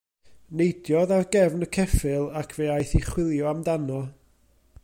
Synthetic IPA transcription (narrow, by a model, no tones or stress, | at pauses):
nejdjɔðarɡɛvnəkʰɛfɨlˠakʰveajθiχwɪlˠjɔamdanɔ